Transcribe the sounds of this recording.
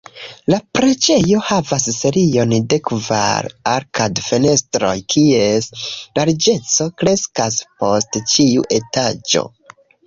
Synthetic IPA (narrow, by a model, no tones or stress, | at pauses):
lapɾe̞d͡ʒe̞jo̞havasːe̞ɾio̞nde̞kva̰ɾaɾkadfene̞stɾo̞̰jkʰieslaɾd͡ʒe̞t͡so̞kɾe̞skaspo̞stt͡ʃiṵʔe̞tad͡ʒo̞̰